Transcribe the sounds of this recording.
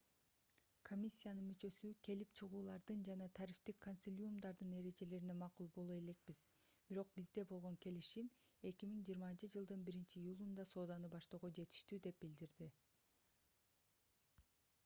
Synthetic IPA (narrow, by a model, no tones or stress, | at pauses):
kʰo̞mʲisʲːijanɯnmyt͡ʃø̞sykʰe̞lip̚t͡ʃʰɯʁuːlˠɑɾd̪ɯnd͡ʒɑnɑt̪ʰɑɾift̪ikʰːonʲsʲilʲumd̪ɑɾd̪ɯne̞ɾe̞d͡ʒe̞le̞ɾine̞mɑqulˠbo̞lˠue̞le̞k̚bizb̥iɾo̞q̚bizd̪e̞bo̞lˠʁo̞ŋke̞liʃime̞kʲimiŋd͡ʒijːɾmɑnt͡ʃɯd͡ʒɯlˠd̪ɯnbiɾint͡ʃiːjulˠund̪ɑso̞ːd̪ɑnɯbɑʃt̪o̞ːʁod͡ʒe̞t̪i̥ʃt̪yd̪e̞p̚bild̪iɾd̪i